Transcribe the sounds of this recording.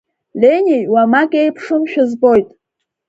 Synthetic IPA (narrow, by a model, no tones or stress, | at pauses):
lʲenʲijwamakʲʼejpʰʂɨmʃᶣʊzbo̞jtʼ